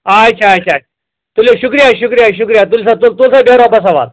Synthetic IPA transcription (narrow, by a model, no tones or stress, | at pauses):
ajt͡ɕʰaːjt͡ɕʰaj | t̪uleɕukɾijaɕukɾijaɕukɾijat̪ulsat̪ult̪ulsabeɾabas̬aʋa̰t̪